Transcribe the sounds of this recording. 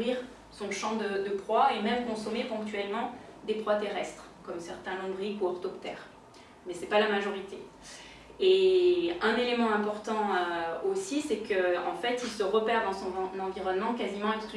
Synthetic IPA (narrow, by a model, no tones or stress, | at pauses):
ʁiʁ | sɔ̃ʃɑ̃d̪əd̪əpχwaemɛmkɔ̃sɔmepɔ̃k̚t̪ɥɛlmɑ̃d̪epχwat̪eʁɛst̪χ | kɔmsɛʁt̪ɛ̃lɔ̃bʁikuɔʁt̪ɔpt̪ɛ̰ːʁ | mɛsɛpalamaʒɔʁit̪e | e | ɛ̃nelemɑ̃ɛ̃pɔʁt̪ɑ̃øosisɛkʰəɑ̰̃fɛt̪ilsəʁəpɛʁd̪ɑ̃sɔ̃nɑ̃viʁɔnmɑ̃kazimɑ̃ɛ̃kst̪